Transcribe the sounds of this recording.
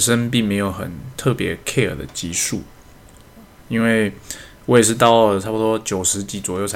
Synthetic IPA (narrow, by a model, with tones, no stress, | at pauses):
ʂə˦np̬i˥˩ŋme˧˥ɪjo˨˧˩ʊxə̰˨˩nt̪ʰɤ˥˩pjɛ̰˧˥kʰe˥˩ɪə̰˨˩d̪ə̰˦t͡ɕi˧˥ʂu˥˩ | i˥nwe˥˩ɪwɔ˧˦˥jɛ˨˩ʂ̬ɻ̩˥˧t̪ɑ˥˩ʊʈ͡ʂʰpu˥˩t̪wɔ˥t͡ɕjo˨˩ʊʂɻ̩˧˥t͡ɕi˧˥t͡swɔ˨˩jo˥˩ʊ˧